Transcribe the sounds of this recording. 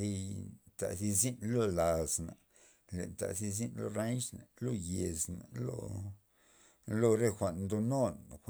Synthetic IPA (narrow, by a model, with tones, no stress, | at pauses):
i˦jt̪a̰˨zi˧zi˦nlo˦la˨zna˨ | le˨nt̪a̰˨zi˧z̬i˦nlo̰˦ɾa˦nʃna˨lo˦˧je˨zna˨lo̰˦˧ | lo˦ɾe˦xʷa˨ʔnnd̪o˧no˦n˨xʷ